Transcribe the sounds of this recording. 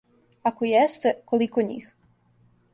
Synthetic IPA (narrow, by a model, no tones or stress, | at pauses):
akojɛst̪ekolikoɲḭx